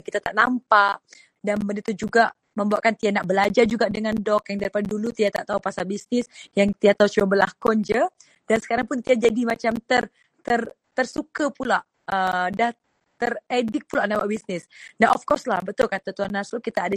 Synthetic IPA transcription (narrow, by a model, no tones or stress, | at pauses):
kit̪at̪aʔnampaʔ | danbənit̪ud͡ʒuɡaʔ | mə̃mbawaʔkant̪ianaʔbəlad͡ʒard͡ʒuɡaʔdəŋandɔk̚jaŋdaɾipaddulut̪iat̪a̰ʔt̪aupasabisnɪsjaŋt̪iaʔt̪ausuabəlakɔnd͡ʒə | dansə̥kaɾaŋpʊnt̪iad͡ʒadimat͡ʃamt̪ər | t̪ər | t̪ərsukapulaʔ | ədah | t̪əredɪk̚pulaʔnabaʔbisnɪsnaʔɔfkɔrslahbət̪ʊlkat̪at̪uanasukit̪aːda